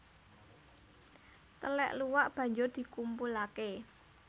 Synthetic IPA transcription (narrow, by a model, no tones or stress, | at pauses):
t̪əlɛ̰ʔluwaʔb̥ä̤ɲd͡ʒʊrd̪̥i̤kumpulake